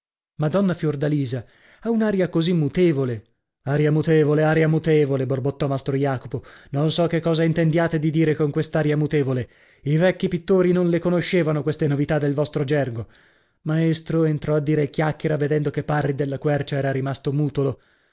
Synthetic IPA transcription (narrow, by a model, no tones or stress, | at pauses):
mad̪ɔnːafjord̪aliːza | aunaːɾjakozimːut̪eːvole | aɾjamut̪eːvoleaɾjamut̪eːvoleborbot̪ːɔmast̪ɾojaːkopononsɔkːekːɔːzaint̪end̪jaːt̪ed̪id̪iːɾekoŋkwest̪aːɾjamut̪eːvole | ivɛkːipit̪ːoːɾinonlekonoʃːeːvanokwest̪enovit̪ad̪ːelvɔst̪ɾod͡ʒɛrɡo | maest̪ɾoent̪ɾɔad̪ːiːɾekjakːeɾaved̪ɛnd̪okepːarːid̪elːakwɛrt͡ʃaɛːɾaɾimast̪omuːt̪olo